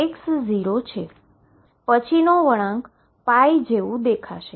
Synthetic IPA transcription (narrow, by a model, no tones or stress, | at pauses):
eksziɾot͡ʃʰe | pət͡ʃʰinoʋəɽ̃ãŋk | pajd͡ʒeʋũd̪ekʰa̰ʃe